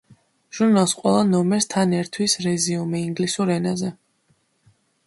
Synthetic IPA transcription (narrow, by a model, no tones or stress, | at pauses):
ʒ̥uɾnalˠsqʼwɛlˠanɔmɛɾst̪ʰanɛɾt̪ʰwisɾɛziumiiŋɡlisuɾɛnazɛ